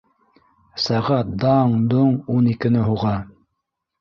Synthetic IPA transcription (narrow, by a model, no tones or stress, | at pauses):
sæʁɑt̪̚d̪ɑɴd̪oɴunikɘ̆nɘɦuʁɑ